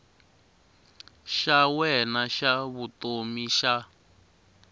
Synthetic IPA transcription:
ʃawɛnaʃaβutomiʃa

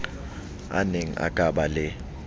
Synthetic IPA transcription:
a̰neŋ̩a̰kʼaɓalɪ

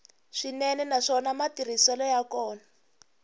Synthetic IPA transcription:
ʂinɛnɛnaʂɔnamatir̤isɛlɔjakɔːna

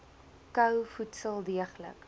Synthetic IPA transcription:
kœwfutsəlˠdiəχlə̰k

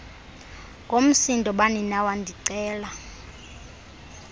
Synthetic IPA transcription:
ŋɡʱom̩sindʱʼɔɓaninawandʱiǀɛːla

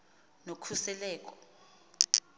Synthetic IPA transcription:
nokʰusɛlɛːk̬ʼɔ̥

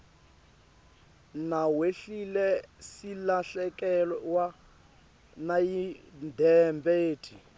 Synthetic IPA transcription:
naweɬilɛsilaɬɛkʼɛlɔwa | najindʱɛmbeːtʰi

